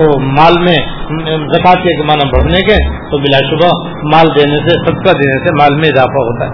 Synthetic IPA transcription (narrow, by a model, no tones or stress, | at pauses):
omaːlmẽzɐkaːt̪keɡɪmaːnãbɐɽ̤nekẽt̪obɪlaːʃʊbʱa | maːld̪eːnesesɐd̪̚kad̪eːnesemaːlmẽɪzaːfaɦoːt̪aɦɛː